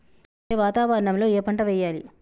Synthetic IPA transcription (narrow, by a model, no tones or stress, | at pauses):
eːʋaːt̪aːʋɐɾɐɳɐmlo̞ːeːpɐɳʈɐʋɛːjːaːlḭ